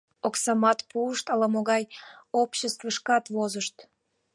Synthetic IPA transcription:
oksɑmɑt̪puəʃt̪ɑlɑmoɣɑjopɕest̪vəʃkɑt̪vozəʃt̪

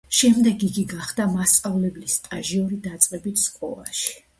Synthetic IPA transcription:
ʃɛmd̪ɛɡiɡiɡaχd̪amast̪sʼavlɛblist̪ʼaʒiɔɾid̪at̪sʼqʼɛbit̪ʰskʼɔ̰la̰ʃi̥

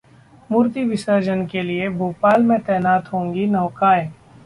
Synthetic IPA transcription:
muːɾt̪iʋɪsəɾd͡ʒənkeliebʱuːpaːlmẽt̪ɛːnaːt̪ɦõːŋɡinɔːkaːẽ

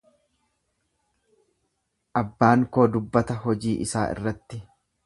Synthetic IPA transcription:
ʔɐbːaːŋko̞ːd̪ʊbːɐt̪ɐɦɔd͡ʒiːʔɪsa̰ːʔɪ̰rːɐt̪ːɪ

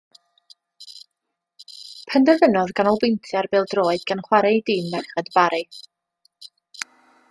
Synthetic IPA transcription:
pʰəndɛvənɔðɡanɔbentʰjarbeːlˠdroːɨdɡanχwaɾɛdiːnðɛχɛdbaɾɨ

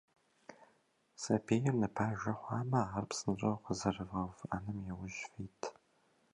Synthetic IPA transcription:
sɐbʰeːjɪrnɨpʰaːʒʷɐχʷɑːmɐaːrpsɨnɕʷʼɐwqəzɐrɨvɐva̰nɨmjɛwʊʒfiːtʰ

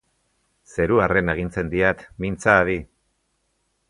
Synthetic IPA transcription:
se̞ɾuare̞neɣint͡se̞nd̪iat̪mint͡saːði

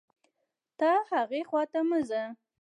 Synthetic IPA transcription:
t̪ɑhaɣexwɑt̪aməza

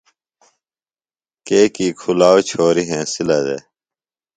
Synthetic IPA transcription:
keːkiːkʰulaːwt͡ɕʰoːɾiɦẽːsilɐd̪ḛː

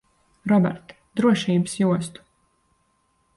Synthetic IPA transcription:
ɾɔbɛ̰ɾt̪ | d̪ɾuɔʃiːbɨsjuɔst̪u̥

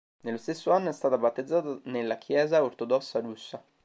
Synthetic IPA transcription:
nelːost̪esːoanːoɛst̪aːt̪abat̪ːed̪zːaːt̪anelːak̟ʰjɛːzaort̪od̪ɔsːaɾusːa

